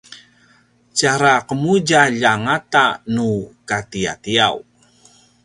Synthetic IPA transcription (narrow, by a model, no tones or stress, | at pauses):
t͡ʃaɾaqəmud͡ʒaʎaŋatanukatia̰tiaw